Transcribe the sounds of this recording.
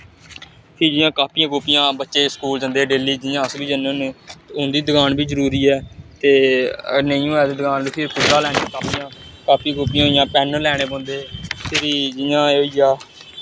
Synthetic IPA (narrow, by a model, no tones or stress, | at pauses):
pʰiːd͡ʒɪjãːkaːpiːjãːkʊːpɪjãːbətːʃeːskuːld͡ʒə̃nd̪eːɖeːliːd͡ʒɪjãːəsbiːd͡ʒənẽːnũːʊnd̪iːd̪əɡaːnbʱiːzəɾuːɾiːɛːt̪eːnəjũːɛːd̪eːd̪əɡaːnipʰɪɾkʊːɾaːlɛːnĩːkaːpijãːkaːpiːkʊːpɪjãːɪjãːpɛːnəlɛːɽ̃eːbɔ̃ːnd̪eːpʰɪɾiːd͡ʒɪjãːoːiːjaː